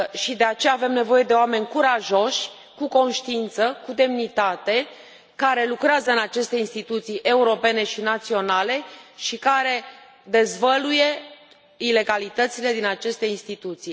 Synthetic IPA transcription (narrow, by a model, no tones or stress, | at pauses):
ʃid̪e̞at͡ʃe̞jaːve̞mne̞vo̞je̞d̪eoame̞nʲkuɾaʒo̞ʃʲ | kuko̞nʃt̪iint̪səkud̪e̞mnit̪at̪e̞ | kaɾe̞lukɾeazəɨnat͡ʃe̞st̪e̞inst̪it̪ut̪sijʔe̞uɾo̞pe̞ne̞ʃinat̪sio̞nale̞ʃikaɾe̞ | d̪e̞zvəluje̞ | ile̞ɡalit̪ət̪sile̞d̪inat͡ʃe̞st̪e̞inst̪it̪ut̪sij